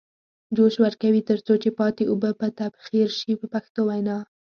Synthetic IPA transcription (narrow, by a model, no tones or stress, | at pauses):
d͡ʒoʃwəɾkawit̪əɾt͡sot͡ʃepɑt̪eobəpət̪abxiɾʃipəpaxt̪owajnɑ